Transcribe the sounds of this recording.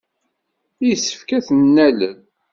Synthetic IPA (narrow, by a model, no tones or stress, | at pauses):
ijsːə̥fkæθənːælən